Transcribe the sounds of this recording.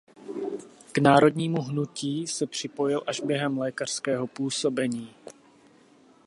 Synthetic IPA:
knaːɾo̞dɲiːmuɦnuciːsɛpr̝̥ɪpo̞jɪlʔaʒbjɛɦɛmlɛːkar̥skɛːɦo̞puːso̞bɛɲiː

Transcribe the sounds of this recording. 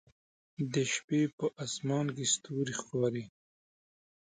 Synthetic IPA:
d̪əʃpepəʔasmɑːnkest̪uɾixkɑːɾi

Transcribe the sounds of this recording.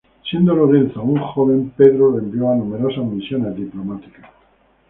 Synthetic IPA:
sje̞nd̪oloɾe̞nθouŋxoβe̞mpe̞ðɾolembjoanume̞ɾo̞sazmisjo̞nezðiplomat̪i̥ka

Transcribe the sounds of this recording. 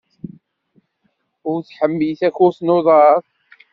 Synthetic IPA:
ʊɾθħəmːiθæçʊɾθnoðˤɑɾθˤ

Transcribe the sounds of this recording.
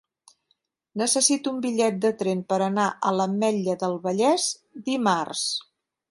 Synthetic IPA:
nəsəsit̪umbiʎɛt̪̚d̪ət̪ɾempəɾənaʔələmɛʎəðəlˠβəʎɛz | d̪imars

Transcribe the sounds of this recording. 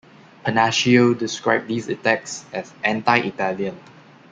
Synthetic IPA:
pʰənæʃiodɪskɹaɪb̚d̪iːsitɛk̚sɛzʔɛ̃ntaɪʔitɛljə̃n

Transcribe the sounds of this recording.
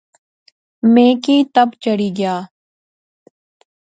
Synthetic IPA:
mẽːkiːt̪əbt͡ʃəɽiːɡɪjaː

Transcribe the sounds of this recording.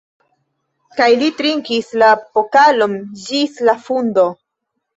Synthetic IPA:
kajlitɾiŋkislapokalo̞nd͡ʒislafundo̞

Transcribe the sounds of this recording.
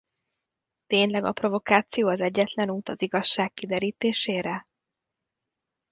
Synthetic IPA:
t̪eːɲlɛɡɒ̰pro̞vo̞kaːt̪sijoːɒzɛɟːɛt̪lɛnuːt̪ɒziɡɒʃːaːkkːid̪ɛɾiːt̪eːʃeːɾɛ

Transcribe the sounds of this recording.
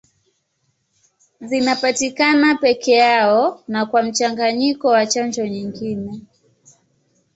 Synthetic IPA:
zinapatikanapɛkʰɛjaɔnakwam̩t͡ʃaŋɡaɲikɔwat͡ʃand͡ʒɔɲiŋɡinɛ

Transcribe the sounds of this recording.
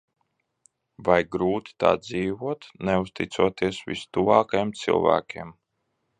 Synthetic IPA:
vajɡɾuːt̪i̥t̪a̰ːd̪ziːvuɔt̪nɛust̪it̪suɔt̪iɛsvḭst̪uvɑːkajɛmt̪sɨ̰lˠvæ̰ːkʲiɛm

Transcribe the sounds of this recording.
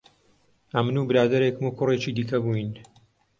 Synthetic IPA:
ɐmɨnuːbɨɾaːd̪ɐɾeːkmukʊreːt͡ʃiːd̪iːkɐbuin

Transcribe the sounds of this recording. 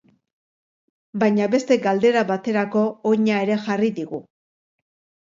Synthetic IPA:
bajɲaβe̞st̪e̞ɡald̪e̞ɾaβat̪e̞ɾako̞oɲae̞ɾe̞xariðiɣu

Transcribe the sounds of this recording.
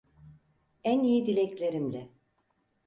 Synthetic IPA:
ænijid̪ilʲɛclʲe̞ɾimlʲɛ

